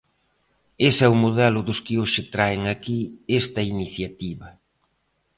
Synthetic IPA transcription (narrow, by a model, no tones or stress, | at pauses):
esɛwmoðɛlʊðʊskɪoʃɪt̪ɾaeŋakiest̪ɐiniθjat̪iβɐ